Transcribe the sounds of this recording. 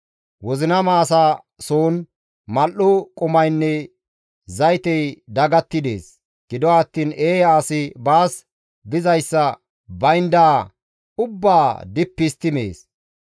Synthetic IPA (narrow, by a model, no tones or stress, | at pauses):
wɔzɪnɐmaːsaː | soːn | mɐlːʊkʼʊmɐjnːɛ | zɐjt̪ɛjd̪ɐɡɐt̪ːɪd̪e̞̰ːs | ɡ̥ɪd̪ɔːt̪ːiːneːjaːsɪbaːs | b̪ɪzɐjsːɐ | bɐjnd̪aː | ʊbːaːd̪ɪpːɪst̪ɪmḛːs